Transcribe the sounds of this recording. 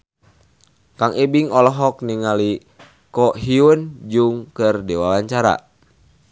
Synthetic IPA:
kaŋibiŋɔlɔɦɔk̚niŋali | kɔɦiund͡ʒuŋkərdiwalaɲt͡ʃaɾa̰

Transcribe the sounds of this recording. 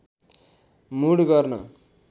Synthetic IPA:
muɽɡʌrnʌ̰

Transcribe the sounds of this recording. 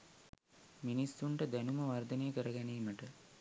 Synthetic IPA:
minisːuɳʈəd̪ænumɐʋɐrd̪ɐneːkəɾɐɡɛniːməʈə

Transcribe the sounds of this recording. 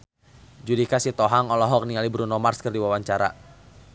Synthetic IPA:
d͡ʒudikasit̪ɔɦaŋɔlɔɦɔk̚niŋalibɾunɔmarskɨrdiwawaɲt͡ʃaɾa̰

